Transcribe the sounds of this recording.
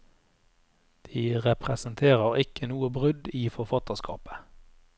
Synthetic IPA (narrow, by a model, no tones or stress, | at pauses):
d̪̥iːʁɛpʁɛsənt̪ʰeːʁəʁɪkʰənuːəbʁʉd̪iːfɔʁfɑt̪əʁskʰɑ̰ːpə̥